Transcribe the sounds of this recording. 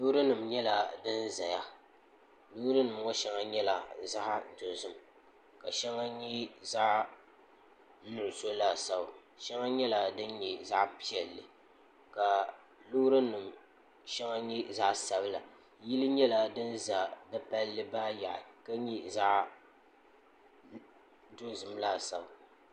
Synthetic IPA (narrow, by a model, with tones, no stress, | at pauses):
lʊ˦ɾɨ˦nɨ˨m˨ɲɛ˦la˨dɨ˦nza˨ja˦ | lʊ˦ɾɨ˦nɨ˨mŋɔ˦ʃɛ˦ŋa˦ɲɛ˦la˨za˦ʔto˨zʊ˦m˨ | ka˨ʃɛ˦ŋa˦ɲi˦za˦ʔ | nʊ˨ʔʊ˨so˦la˨sa˦ba˨ | ʃɛ˦ŋa˦ɲɛ˦la˨dɨ˦nɲɛ˨za˦ʔpi˦ɛ˨lːɨ˨ | ka˨ | lʊ˦ɾɨ˦nɨ˨m | ʃɛ˦ŋa˦ɲɛ˦za˦ʔsa˦bɨ˦la˨ | ji˦lɨ˦ɲɛ˦la˨dɨ˦nza˨dɨ˦pa˦lːɨ˦baː˦ja˨ʔɪ˨ka˦ɲi˦za˦ʔ | do˦zɨ˨mla˦˨sa˨ba˨